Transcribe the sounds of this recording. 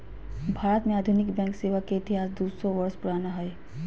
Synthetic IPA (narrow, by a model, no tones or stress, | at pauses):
bʱaːɾət̪mẽaːd̪ʱʊnɪkbɛ̃ːŋkseːʋakeɪt̪ɪɦaːsd̪uːd̪sɔ̃ʋəɾspʊɾaːnaɦɛe